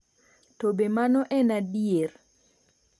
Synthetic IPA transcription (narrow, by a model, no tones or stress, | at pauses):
tobemanɔʔɛnadier